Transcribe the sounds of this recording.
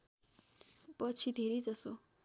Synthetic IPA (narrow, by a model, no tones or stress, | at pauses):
pʌt͡sʰid̪ʱeɾid͡zʌso